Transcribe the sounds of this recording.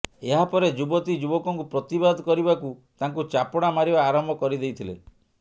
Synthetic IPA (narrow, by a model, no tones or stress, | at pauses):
eɦapɔɾed͡ʒubɔt̪id͡ʒubɔkɔŋkupɾɔt̪ibad̪ɔkɔɾibakut̪aŋkut͡ʃapɔɽ̃amaɾibaːɾɔmbʱɔkɔɾid̪ejt̪ʰile